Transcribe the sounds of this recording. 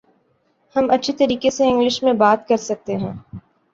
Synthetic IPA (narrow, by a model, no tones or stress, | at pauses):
hɐmɐtːʃʰet̪ɐɾiːkeseɪ̃ŋɡlɪʃmẽbaːt̪kɐɾsɐk̚t̪eɦɛ̃ː